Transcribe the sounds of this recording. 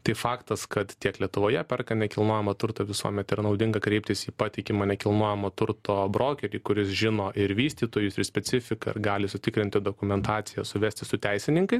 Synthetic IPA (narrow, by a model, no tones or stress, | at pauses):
t̪ɐɪfɑːkt̪ɐskɐt̪t̪ʲiɛklʲiɛt̪ʊʋoːjɛpʲɛrkɐnʲɛkʲɪlˠnoːjɛmɐt̪ʊɾt̪ɐʋʲɪsuɔmʲɛt̪ɪɾnɐʊd̪ʲɪŋɡɐkɾʲɛɪp̚t̪ʲɪsiːpɑːt̪ʲɪkʲɪmɐnʲɛkʲɪlˠnoɔjɛmɐt̪ʊɾt̪oːbɾoːkʲɛɾʲiːkʊɾʲɪsʒʲɪnoːʔɪɾʋʲiːsʲt̪ʲiːt̪oːjʊsɪɾsʲpʲɛsʲɪfʲɪkɐɪ̰ɾɡɑːlʲɪsʊt̪ʲɪkɾʲɪnʲt̪ʲɪd̪oːkʊmʲɛnt̪ɑːt̪sʲɪjɛsʊʋʲæːsʲt̪ʲɪsʊt̪ʲɛɪsʲɪnʲɪŋkɐɪ